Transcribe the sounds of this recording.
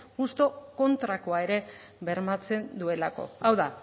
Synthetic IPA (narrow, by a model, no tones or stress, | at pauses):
ɣust̪o̞ko̞nt̪ɾakoaeɾe̞ | βe̞ɾmat͡se̞nd̪ue̞lako̞̰awða